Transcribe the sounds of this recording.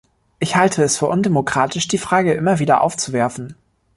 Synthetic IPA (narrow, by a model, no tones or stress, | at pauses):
ʔɪçhaltʰəɛsfyːɐʔʊndemokʁ̥aːtʰɪʃd̥iːfʁ̥aːɡəʔɪmɐviːdɐʔa̰ʊft͡suvɛɐfn̩